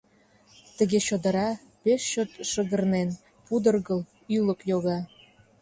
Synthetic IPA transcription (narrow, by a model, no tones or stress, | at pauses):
t̪əɣeɕod̪əɾɑ | peʃɕøt̪ʃəɣərnen | pud̪ərɣəl | yləkjoɣɑ